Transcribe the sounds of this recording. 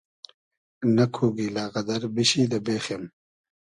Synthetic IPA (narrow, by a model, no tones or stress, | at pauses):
nɐkʰuːɡilaːɣɐd̪ɐɾbiɕiːd̪ɐbeːxem